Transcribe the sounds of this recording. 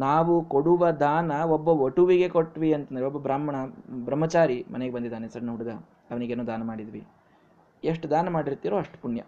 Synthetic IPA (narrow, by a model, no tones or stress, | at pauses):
naːʋukoɽuʋɐd̪aːnɐobːɐʋoʈuʋiɡe̞koʈːʋiɐnt̪ɐnd̪ɐɾeɔbːɐbɾaːmɐɳɐbɾɐmːɐt͡ʃaːɾimɐ̰neɡe̞bɐnd̪id̪ːaːnesɐɽɐnɐɦuɽuɡɐ | ɐʋɐniɡeːnoːd̪aːnɐmaːɽid̪ʋḭ | eʂʈd̪aːnɐmaːɽiɾt̪iːɾoːɐʂʈpuɳjɐ̰